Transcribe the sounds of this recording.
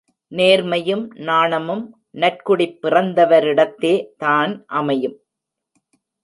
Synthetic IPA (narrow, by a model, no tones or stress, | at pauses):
neːɾmɐjɯmnaːɳɐmɯm | nɐrkʊɽɪpːɪrɐnd̪ɐʋɐɾɪɽɐt̪ːeːt̪aːnʔɐmɐjɯm